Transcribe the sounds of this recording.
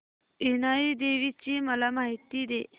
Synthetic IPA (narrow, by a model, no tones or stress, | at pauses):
inaid̪eʋit͡ɕimɐlamaːɦit̪id̪e